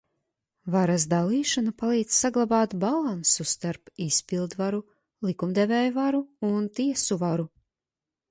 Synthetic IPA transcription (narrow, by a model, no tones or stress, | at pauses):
vaɾasd̪alˠiːʃanapalˠiːd̪zsaɡlˠabɑːt̪balˠansust̪aɾpispilˠd̪vaɾu | lˠikumd̪evɛːjuvaɾuunt̪iɛsuvaɾu